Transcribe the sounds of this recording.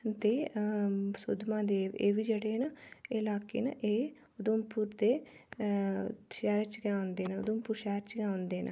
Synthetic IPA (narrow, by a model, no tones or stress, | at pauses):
t̪eː | sʊ̰d̪mãːd̪eːʋḛːʋiːd͡ʒeːɽeːnaɪːlaːkḛːna̰ʔeː | ʊd̪ʊmpuːɾd̪eː | ʃɛːɾt͡ʃkɛ̃ːõnd̪eːnaʊ̰d̪ʊmpuːɾʃɛːɾt͡ʃkɛ̃ːõnd̪eːna̰